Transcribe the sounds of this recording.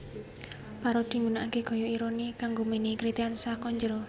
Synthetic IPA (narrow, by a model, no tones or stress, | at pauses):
paɾɔd̪̥i̤mbunaʔakeɡ̥ɔ̤jɔiɾonikaŋɡomenikɾit̪iansakɔɲd͡ʒɾɔ